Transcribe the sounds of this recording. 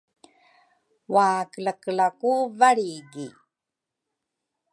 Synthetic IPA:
waːkələklakuvaɭiɡi

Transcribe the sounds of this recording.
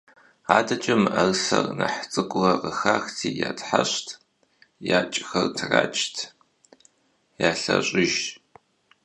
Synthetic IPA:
aːdɐt͡ʃʼɪmɐrsɐrnɐħt͡sʼɨkʷʼrɐqəxaːxtʰiːjaːtʰħaɕtʰ | jaːt͡ʃʼxɐrtʰraːt͡ʃʼtʰ | jaːɬɐɕʼɪʒ

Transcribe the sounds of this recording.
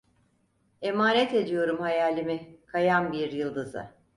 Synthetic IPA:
e̞maːnɛt̪e̞d̪ijo̞ɾumhajaːlʲimikʰajambiɾjɯlˠd̪ɯzɯ̰

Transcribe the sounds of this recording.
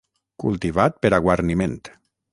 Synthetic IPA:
kulˠt̪iβat̪̚peɾaɣwaɾniment̪

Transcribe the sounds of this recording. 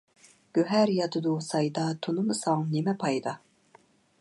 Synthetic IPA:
ɡ̥ʲøɦæɾjɑt̪ʰɨd̪usɑjd̪ɑt̪ʰunɨmɨsɑŋnemɛpʰɑjd̪ɑ

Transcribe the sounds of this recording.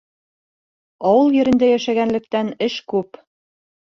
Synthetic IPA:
ɑwulˠjɘ̆ɾɘ̆nd̪æjæʃæɣænlɘ̆k̚t̪ænɘ̆ʃkup

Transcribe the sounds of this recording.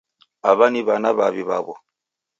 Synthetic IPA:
aβaniβanaβaβiβaβɔ

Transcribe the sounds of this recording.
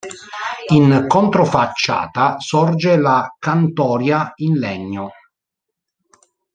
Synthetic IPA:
inkont̪ɾofat͡ʃːa̰ːt̪asɔrd͡ʒelakant̪ɔːɾjainlɛɲːo

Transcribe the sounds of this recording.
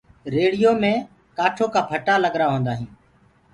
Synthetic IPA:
ɾeːɽɪjoːmẽː | kaːʈʰoːkaːpʰəʈaːləɡɾaːɦõːnd̪aːɦĩː

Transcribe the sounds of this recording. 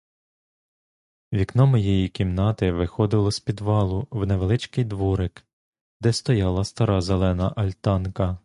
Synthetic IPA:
ʋʲiknɔmɔjejikʲimnɑt̪ɪʋɪxɔd̪ɪlˠɔsʲpʲid̪ʋɑlˠʊwneʋelˠɪt͡ʃkɪjd̪ʋuɾɪk | d̪ɛst̪ɔjɑlˠɐst̪ɐɾɑzelˠɛnɐʔɐlʲt̪ɑnkɐ

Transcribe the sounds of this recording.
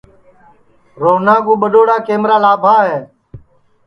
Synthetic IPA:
ɾoːnaːɡuːɓəɗoːɽaːkeːmɾaːlaːbʱaːɦeː

